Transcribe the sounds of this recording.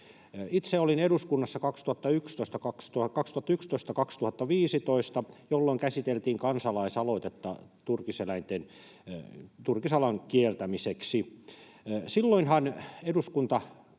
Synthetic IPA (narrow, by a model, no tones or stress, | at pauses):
it̪seolineɾuskunːɑsːɑkɑkst̪uhɑt̪ːɑykst̪oist̪ɑkɑkst̪ukɑkst̪uhɑt̪ːɑykst̪oist̪ɑkɑkst̪uhɑt̪ːɑʋiːsit̪oist̪ɑjolːoiŋkæsit̪elt̪iːŋkɑnsɑlɑisɑloit̪et̪ːɑ̰t̪urkiselæint̪en | t̪urkisɑlɑŋkielt̪æmiseksi | silːoinhɑneduskunt̪ɑ